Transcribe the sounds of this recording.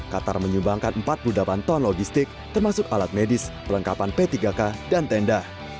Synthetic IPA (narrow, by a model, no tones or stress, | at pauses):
kat̪a̰rməɲumbaŋkanəmpat̪̚pludlapant̪ɔnlɔɡist̪ɪk̚t̪ərmasʊkalat̪̚medɪspələŋkapanpet̪iɡakadant̪ɛndah